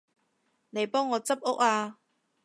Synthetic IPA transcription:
ne˨˧jpɔː˥ŋːɔː˨˧t͡sɐ˥p̚ʊ˥k̚aː˧

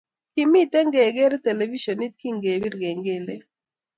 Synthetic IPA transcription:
ki˨mi˦t̪ɛ˦ŋɡe˨ɡɛ˦ɾt̪ɛ˨lɛ˨vi˦ʃɔ˨ni˦t̪̚ki˦ŋɡe˨bi˦ɾɡe˨ŋɡe˦˨le˦

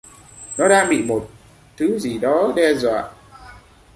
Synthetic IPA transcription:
nɔ˨˦ɗaː˧ŋɓḭ˧˨mo˨˩t̚ | t̪ʰɨ˨˦zi˨˩ɗɔ˨˦ɗɛ˧zwa̰ː˧˨ʔ

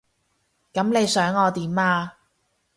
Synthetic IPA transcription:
kɐ˨˥mne˨˧jsœː˨˥ŋɔː˨˧t̪iː˨˦maː˧

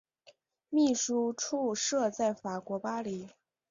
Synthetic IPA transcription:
mi˥˩ʂu˥ʈ͡ʂʰu˥˧ʂɤ˥˧t͡sa˥˩ɪfa˨˩kwɔ˧˥pa˥li˨˩˦

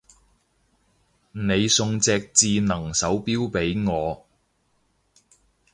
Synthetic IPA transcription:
ne˨˧jsʊ˧ŋt͡sɛː˧k̚t͡siː˧nɐ˨˩ŋsɐ˨˥wpiː˥wpe˨˥jŋɔː˨˧

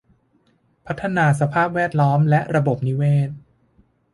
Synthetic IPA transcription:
pʰa˦˥t̪ʰːa˧naː˧sa˧pʰaː˥˩p̚wɛː˥˩t̪̚lɔː˦˥mlɛ˦˥ʔɾa˧bo˨˩p̚ni˦˥weː˥˩t̪̚

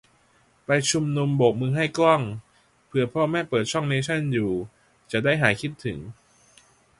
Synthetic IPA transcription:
pa˧jt͡ɕʰu˧mnu˧mboː˨˩k̚mɯː˧ŋɦa˥˩jklɔ˥˩ŋ | pʰɯ˧ɐpʰɔː˥˩mɛː˥˩pɤː˨˩t̪̚t͡ɕʰɔ˥˩ŋneː˧˥t͡ɕʰa˥˩njuː˨˩ | t͡ɕa˨˩daː˥˩jɦaː˩˦jkʰi˦˥˩t̪ʰːɯ˩˦ŋ

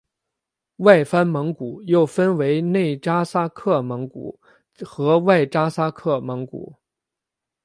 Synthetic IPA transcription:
wa˥˩ɪfa˥nmɤ˧˥ŋku˨˩˦jo˥˩ʊfə˥nwe˧˥ɪne˥˩ɪʈ͡ʂa˥sa˥kʰɤ˥˩mɤ˧˥ŋkṵ˨˩˦ | xɤ˧˥wa˥˩ɪʈ͡ʂa˥sa˥kʰɤ˥˩mɤ˧˥ŋkṵ˨˩˦

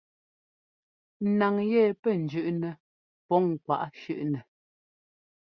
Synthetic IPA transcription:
n˨na˨ŋjɛ˦˨pɛ˦˨n̩˨d͡ʒʉ˦˨ʔnɛ˨ | pɔ˨˦ŋ̩˨kwa̰˨ʔʃʉ˦˨ʔnɛ˨

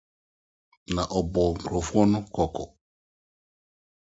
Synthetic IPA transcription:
nã˨ʔɔ˨bɔ˨ŋ̩˨kʰo˨fʊ˦ɔ˦nʊ̃˦kʰɔ˨kʰɔ˨

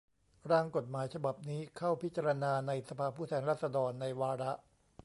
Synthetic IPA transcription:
ɾaː˥˩ŋko˨˩t̪̚maː˩˦jt͡ɕʰa˧ba˨˩p̚niː˦˥kʰa˥˩wpʰi˦˥t̪̚t͡ɕa˧ɾa˧naː˧na˧jsa˧pʰaː˧pʰuː˥˩t̪ʰɛː˧nɾaː˥˩sa˧dɔː˧nːa˧jwaː˧ɾa˦˥ʔ

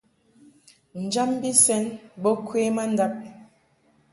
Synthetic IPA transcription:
n̩˨d͡ʒa˦mbi˦sɛ˦nbɔ˦kwe˦ma˦n˦da˦p̚

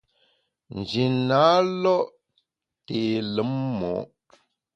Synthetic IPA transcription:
n̩˨d͡ʒi˨na˨˦lɔ˦ʔ | te˨lə˨˦mːɔ̰˨˦ʔ

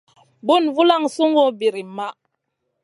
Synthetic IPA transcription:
bu˦˨nvu˦la˦˨ŋsu˦ŋo˦bi˨ɾi˨ma˦

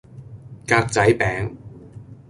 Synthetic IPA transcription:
kaː˧k̚t͡sɐ˨˥jpɛː˨˥ŋ

